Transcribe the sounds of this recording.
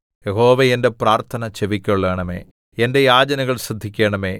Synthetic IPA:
jeɦo̞ːʋeende̞praːrt̪ʰɐnɐt͡ɕeʋikʲːɐɭːeːɳɐme̞̰ː | ende̞jaːd͡ʑɐnɐɣɐɭsrɐd̪ʱːikʲːeːɳɐmeː

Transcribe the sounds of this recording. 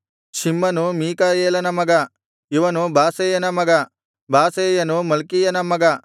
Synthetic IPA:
ʃimːɐnumiːkɐeːlɐnɐmɐɡɐ | iʋɐnubʱaːsɐjɐnɐmɐɡɐ | bʱaːseːjɐnumɐlkijɐnɐmɐɡɐ

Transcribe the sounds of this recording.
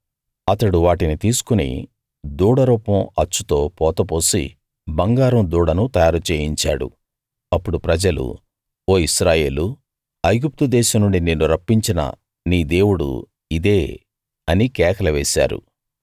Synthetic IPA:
ɐt̪ɐɽuʋaːʈinit̪iːsu̥kunḭ | d̪uːɽɐɾuːpɐmɐt͡ʃːut̪o̞ːpɔːt̪ɐp̬o̞ːsḭ | bɐŋɡaːɾɐmd̪uːɽɐnut̪ɐjaːɾut͡ʃeːjiɲt͡ʃa̰ːɽṵ | ɐpːuɽupɾɐd͡ʒɐlṵ | oːiʃɾaːje̞ːlu | ɐjɡup̚t̪ud̪ɛːʃɐmnːuɳɖineːnːuɾɐpːiɲt͡ʃinɐ̰ | niːd̪e̞ːwuɽṵ | id̪eː | ɐnikɛːkɐlɐʋɛːsa̰ːɾṵ

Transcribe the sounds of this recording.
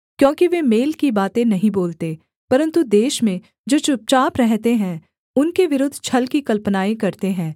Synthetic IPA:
kjõːkiʋemeːlkibaːt̪ẽnɐɦĩboːlt̪e | pɐɾə̃nt̪ud̪eːʃmẽ | d͡ʒoːt͡ʃʊp̚t͡ʃaːpɾɛɦt̪eɦɛ̃ | ʊnkeʋɪɾʊd̪ʱt͡ʃʰɐlkikɐlpnaːẽkɐɾt̪eɦɛ̃ː

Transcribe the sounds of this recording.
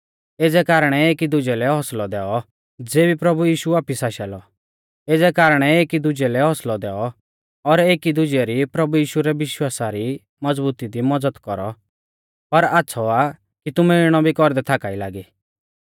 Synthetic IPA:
eːd͡zɛkaːɾəɽ̃ɛeːkid̪ʊd͡ʒɛlɛɦɔslɔd̪ɛːɔ | d͡zeːbipɾɐbujiːʃuaːpisaːʃɛːlɔ | eːd͡zɛkaːɾəɽ̃ɛeːkid̪ʊd͡ʒɛlɛɦɔslɔd̪ɛːɔ | ɔɾeːkid̪ʊd͡ʒɛɾipɾɐbujiːʃuɾɛʋɪʃwaːsaɾi | mɐd͡zbuːt̪id̪imɐd͡zəd̪kɔɾɔ̰ | pɐɾaːtːsʰɔa | kit̪ʊmɛɪɽ̃ɔbʱikɔɾd̪ɛt̪ʰaːkaːilaːɡiː

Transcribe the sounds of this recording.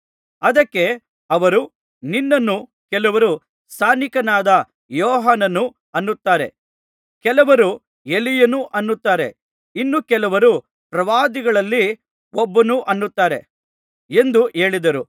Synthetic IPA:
ɐd̪ɐkːe̞ | ɐʋɐɾu | ninːɐnːu | kɛlɐʋɐɾu | st̪ʰaːnikɐnaːd̪ɐ | jɔːɦaːnɐnu | ɐnːut̪ːaːɾe̞̰ | kɛlɐʋɐɾu | e̞lijɐnuʔɐnːut̪ːaːɾe̞̰ | inːukɛlɐʋɐɾu | pɾɐʋaːd̪iɡɐɭɐlːi | obːɐnuʔɐnːut̪ːaːɾe̞̰ | e̞nd̪uʔe̞ːɭid̪ɐɾu

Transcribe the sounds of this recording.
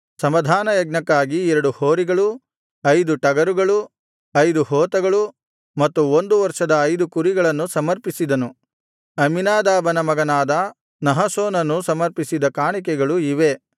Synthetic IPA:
sɐmɐd̪ʱaːnɐjɐɡnɐkːaːɡiɛɾɐɽuhoːɾiɡɐɭu | ɐjd̪uʈɐɡɐɾuɡɐɭu | ɐjd̪uɦɔːt̪ɐɡɐɭu | mɐt̪ːuond̪uʋɐɾʂɐd̪ɐːjd̪ukuɾiɡɐɭɐnːusɐmɐɾpisid̪ɐnu | ɐminaːd̪aːbɐnɐmɐɡɐnaːd̪ɐ | nɐɦɐsoːnɐnːusɐmɐɾpisid̪ɐkaːɳik̬ɛɡɐɭuiʋe̞

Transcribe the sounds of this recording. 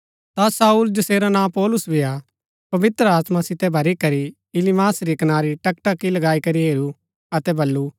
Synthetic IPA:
t̪asaːuːld͡ʒɐseːɾanãːpɔːlʊsbʱia | pɐʋɪt̪ɾəaːt̪masɪt̪ɛbʱɐɾikɐɾi | ɪlimaːsɾikɐnaːɾiʈɐkʈakilɐɡaːikɐɾiɦeːɾu | ɐt̪ɛbʱɐlːu

